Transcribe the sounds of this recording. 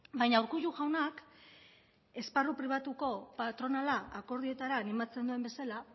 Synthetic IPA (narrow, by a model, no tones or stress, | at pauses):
bajɲauwɾkuʝuɣawnak | e̞sparupɾiβ̞at̪uko̞pat̪ɾo̞nalaako̞ɾð̞ie̞t̪aɾaːnimat͡se̞nd̪ue̞mbe̞sala